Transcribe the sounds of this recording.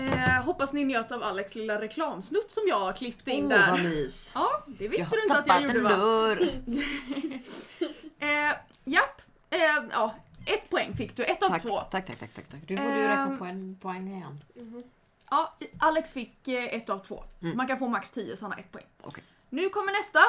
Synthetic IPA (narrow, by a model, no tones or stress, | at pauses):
ɦɔpːasnɪnjøːt̪avalːɛkslɪlːaɾɛkʰlɑːmsnɵt̪ːsɔmjɑːɡkʰlɪpːt̪əɪnnːd̪æɾiːsjɑːd̪ɛvɪstəd̪ɵɪnat̪jajuːɖəvɾ | japː | jɑːʔɛt̪ːpʰɔɛŋːfɪkːd̪ɵʔɛt̪ːavʰvoːt̪ʰakt̪ʰa̰k̪ʰa̰kt̪ʰakt̪ʰakːd̪ɵɾɛpɔɛnpʰɔɛŋːɪɛn | ʔɑːʔalːɛksfɪkːɛt̪ːavt̪ʰvo̰ːmankanfoːmakst̪ʰiːəsɔɔnːa̰ʔɛ̰t̪̚ːpʰɔɛ̰ŋːo̰ | nʉ̟ːkʰɔmːəɳɛst̪a